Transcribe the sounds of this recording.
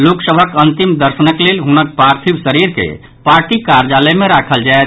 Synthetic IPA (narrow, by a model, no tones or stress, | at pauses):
loksəbʱəkənt̪imd̪əɾsənəklelɦunək̚pɾaɾt̪ʰibsəɾiɾkḛ | paɾʈikaɾd͡ʒaləmeɾakʰəld͡ʒaet̪